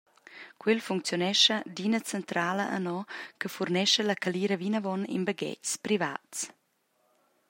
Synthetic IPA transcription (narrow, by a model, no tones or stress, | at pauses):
kwilfuŋkt͡sjonɛʃədinət͡sɛnt̪ɾaːləʔə̰nɔkəfurnɛʃəlakaliɾəvinavɔnḭnbəɡɛ̰cspɾiva̰ːts